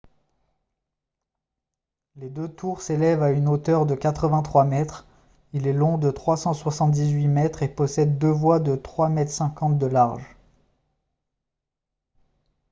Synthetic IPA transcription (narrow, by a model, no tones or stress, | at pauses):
led̪øt̪uʁselɛvaynot̪œʁd̪əkat̪χəvɛ̃t̪χwamɛt̪χ | ilɛlɔ̃d̪ət̪χwasɑ̃swasɑ̃t̪̚d̪izɥimɛt̪χepɔsɛd̪ːøvwad̪ət̪χwamɛt̪χsɛ̃kɑ̃t̪̚d̪əlaʁʒ